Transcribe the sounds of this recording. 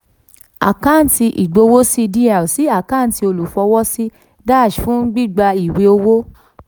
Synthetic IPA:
a̰˨kã˦˨n̩˨ti˧ʔi˨ɡ͡bo˧wo˦si˦˧di˦a˨si˨˦a˦˨kã˦˨n̩˨ti˧o˧lu˨fɔ˧wɔ˦si˦ | da˦˨ʃfũ˨˦ɡ͡bi˦˨ɡ͡ba˧i˨wi˧o˧wo˦

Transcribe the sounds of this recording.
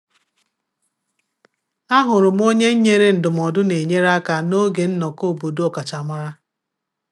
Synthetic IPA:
a˦ɦʊ˨ɾʊ˨m̩˦o˦ɲe˦ɲ̩˦ɲe˦ɾe˦n̩˨dʊ˨m̩˨ɔ˨dʊ˦ne˨ɲe˦ɾa˦ka˨no˦ɡe˨n̩˦nɔ˨ko˦˨bo˨do˦ɔ˨ka˨t͡ʃa˨ma˦ɾa˦

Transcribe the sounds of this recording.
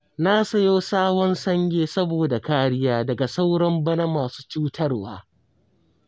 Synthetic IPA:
na˦sɐ˨joː˦saː˦wɔ˦nsɐ˦ŋɡʲeː˦sɐ˦boː˨da˨kaː˦ɽɪ˦jaː˦dɐ˨ɡa˨sa˦wɽɐ˦mbɐ˦na˦maː˨su̥ː˦t͡ʃuː˦tʰɐ˦rwa̰ː˦

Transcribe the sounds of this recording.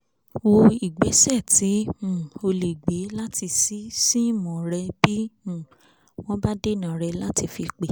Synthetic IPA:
wo˧i˨ɡ͡be˨˦sɛ˦˨tĩ˨˦˨o˧le˨ɡ͡be˨˦la˦ti˧si˨˦si˦mɔ̃˨ɾɛ˧b̥ĩ˦˨ | w̃ɔ̃˦ba˦de˦˨nã˨ɾɛ˧la˦ti˧fi˧k͡pe˨

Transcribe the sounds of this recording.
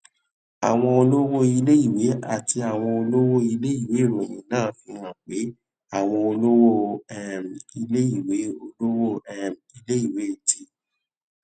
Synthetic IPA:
a̰˨w̃ɔ̃˧o˧lo˦wo˦i˧le˦i˦˨we˨˦a̰˦˨ti˧a˨w̃ɔ̃˧o˧lo˦wo˦i˧le˦i˦˨we˨˦i˦˨ɾẽ˨j̃ĩ˨˦nãː˦fi˧wã˨k͡pe˨˦ | a˦˨w̃ɔ̃˧o˧lo˦wo˦ɛ˨m˨i˧le˦i˨we˨˦o˧lo˦wo˧ɛ˨m | i˧le˦i˦˨we˨˦e˦˨tʰi˧˦

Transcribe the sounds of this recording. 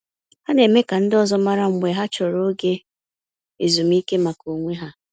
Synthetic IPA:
ha˦ne˨me˦ka˨n̩˦dɔ˦˨zɔ˦ma˦ɾa˦ŋ͡m̩˨ɡ͡be˨ɦa˦t͡ʃɔ˨ɾo˦ɡe˦ | e˨zu˨m˦i˦ke˦ma˨ko˨ŋʷe˦ɦa˦

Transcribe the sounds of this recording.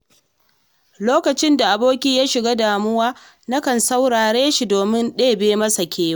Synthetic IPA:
loː˦kɐ˨t͡ʃɪ˦nda˨ʔa˨boː˦kʲiː˦jaː˦ʃɪ˨ɡaː˦daː˨mʊ˦waː˦ | na˦kɐ˨nsa˦wɽaː˨ɽeː˦ʃi˨doː˨mɪ˦nɗeː˦beː˦mɐ˦sa˨kʲeː˦wa˦

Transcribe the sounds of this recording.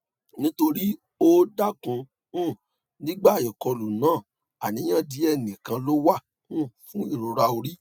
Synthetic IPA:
nĩ˦to˧ɾi˦ | o˦da˦˨kũ˧ | ũ˦˨ | nĩ˦ɡ͡ba˦˨ji˨kɔ˧lu˨nãː˨˦˨ | a˨nĩ˨˦j̃ã˦˨di˨˦ɛ˦˨nĩ˨kã˧lo˦wa˦˨ | ũ˦˨fũ˦i˦˨ɾo˨ɾa˧o˧ɾi˦

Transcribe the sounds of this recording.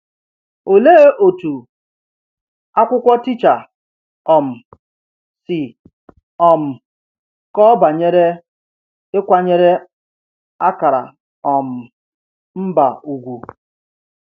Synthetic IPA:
o˨le˦ʔo˨tu˨ | a˦kʷʊ˦kʷɔ˦tɪ˦t͡ʃa˨ | ɔ˨m̩˨ | sɪ˨ | ɔ˨m̩˨ | kɔ˦ba˨ɲe˦ɾe˦ | ɪ˦kʷa˦ɲe˦ɾe˦ | a˦ka˨ɾa̰˨ | ɔ˨m̩˨ | m̩˦ba˨u˨ɡʷu˨

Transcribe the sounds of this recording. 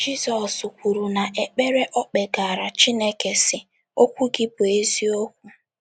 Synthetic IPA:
d͡ʒi˦sɔ˨su˨kʷu˨ɾu˨na˨ʔe˨k͡pe˦ɾe˦ʔɔ˦k͡pe˨ɡa˨ɾa˨t͡ʃi˦ne˦ke˨sɪ˦ | o˦kʷu˦ɡɪ˦bʊ˨e˦zi˦o˦kʷu˦

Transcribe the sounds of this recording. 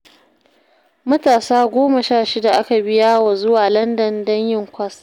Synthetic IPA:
mɐ˦taː˨saː˦ɡʷoː˦ma˨ʃaː˦˨ʃɪ˦da˨ʔa˦ka˨bɪ˦jaː˦wa˨zʊ˦waː˨lɐ˦ndɐ˨ndɐ˦ɲjɪ˦˨ŋkʷɐ˦s

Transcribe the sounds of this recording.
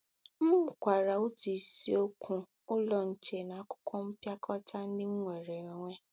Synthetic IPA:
m̩˦ʊ˨kʷa˨ɾa˨o˦ti˨si˦o˦kʰũ˦ | ʊ˦lɔ˨n̩˨t͡ʃe˨na˨a˦kʊ̥˦kʰʷɔ˦m̩˦pja˦kʰɔ˦tʰa˦n̩˦dɪ˦ŋ̩˦ŋʷe˨ɾe˨e˨ŋʷe˦

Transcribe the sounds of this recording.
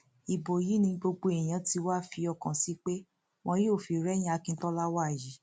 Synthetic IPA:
i˨bo˨ji˨˦nĩ˧ɡ͡bo˧ɡ͡bo˧e˨j̃ã˨˧˦ti˧˦wa˦fi˧ɔ˧kã˨si˨˦k͡pe˦ | w̃ɔ̃˧˦jo˦˨fi˨ɾɛ˦j̃ĩ˦a˧kĩ˧n̩˦tɔ˦la˦wa˦˨ji˨

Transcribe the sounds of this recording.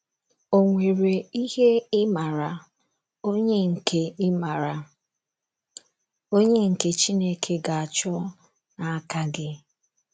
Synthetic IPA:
o˨ŋʷe˨ɾe˨i˦he˦ɪ˦ma˨ɾa˨ | o˦ɲe˦ŋ̩˨ke˨ɪ˦ma˨ɾa˨ | o˦ɲe˦ŋ̩˨ke˨t͡ʃi˦ne˦kʰe˦ɡa˨a˨t͡ʃɔ˦ | na˨a˦ka˦ɡɪ˦

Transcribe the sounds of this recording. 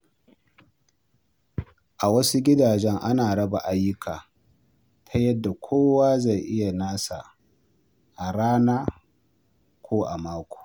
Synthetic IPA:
ʔa˨wɐ˦su˦ɡʲɪ˦daː˨d͡ʒɛ˦ŋʔa˦naː˨ɽɐ˦ba˨ʔa˦jːʊ˦kʰaː˨ | tʰa˦jɐ˦dːa˨kʷʰoː˦waː˦za˦˨jʔɪ˦ja˨naː˦sa̰˨ | ʔa˨ɽaː˦naː˦ | kʷʰoː˦ʔa˨maː˦kʷo̥ː˨

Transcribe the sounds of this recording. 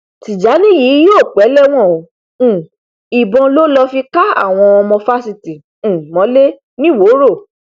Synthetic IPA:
ti˨d͡ʒa˨˦nĩ˦ji˨˦joː˦˨k͡pɛ˨˦lɛ˦w̃ɔ̃˦˨õ˨˦˨ | i˨bɔ̃˧lo˦lɔ˧fi˧ka˦a̰˦˨w̃ɔ̃˧ɔ˧mɔ̃˧fa˦si˧tĩ˨ | mɔ̃˨˦le˦ | nĩ˦wo˨˦ɾo˦˨

